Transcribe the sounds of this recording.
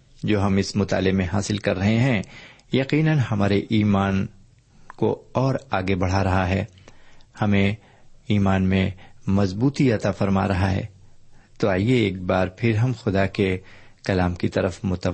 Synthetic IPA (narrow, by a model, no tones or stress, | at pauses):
d͡ʒoːɦɐmɪsmʊt̪a̰ːlemẽɦaːsɪlkɐɾːɐɦeɦɛ̃jɐqiːnənhɐmaːɾeʔiːmaːn | koɔːɾaːɡebɐɽ̤aɾɐɦaɦɛː | hɐmẽ | iːmaːnmẽmɐzbuːt̪iɐt̪afɐɾma̰ɾɐɦaɦɛ̰ːt̪oaːijeeːk̚baːɾpʰɪɾɦɐmxʊd̪ake | kɐlaːmkit̪ɐɾəfmʊt̪ə